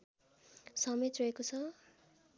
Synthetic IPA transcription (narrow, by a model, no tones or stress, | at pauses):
sʌmet̪rʌekot͡sʰʌ